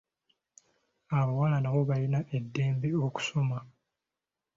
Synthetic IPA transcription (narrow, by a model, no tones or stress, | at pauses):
aβawalanawo̞βalinaʔe̞dːe̞ːmbe̞oku̥so̞ma